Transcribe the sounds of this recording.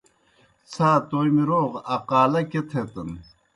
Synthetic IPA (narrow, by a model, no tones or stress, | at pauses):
t͡sʰaːt̪ojmiɾoːʁɐqaːlɐket̪ʰet̪ɐn